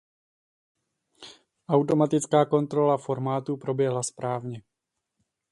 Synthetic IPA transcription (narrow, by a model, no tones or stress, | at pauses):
ʔawt̪omat̪ɪt͡skaːko̞nt̪ɾolafo̞ɾmaːt̪upɾo̞bjɛɦlaspɾaːvɲɛ